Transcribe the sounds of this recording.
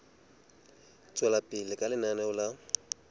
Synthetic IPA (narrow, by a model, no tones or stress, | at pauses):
t͡sʼwɛlapʼɪlɪkʼalɪnanɛʊla